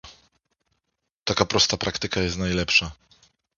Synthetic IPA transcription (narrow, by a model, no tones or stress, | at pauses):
t̪akapɾɔst̪apɾʔakt̪ɘkajɛst̪najlɛpʂa